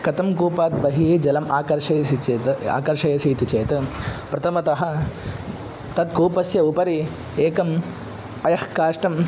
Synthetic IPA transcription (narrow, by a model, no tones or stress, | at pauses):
kɐt̪ɐmkuːpaːt̪̚bɐɦiːd͡ʒɐlɐmaːkɐɾʃɐjɐsit͡ʃeːt̪ɐa̰ːkɐɾʃɐjɐsiːt̪it͡ʃeːt̪ɐpɾɐt̪ʰɐmɐt̪ɐɦɐ̆ | t̪ɐt̪̚kuːpɐsjɐupɐɾi | eːkɐm | ɐjɐhkaːʂʈɐm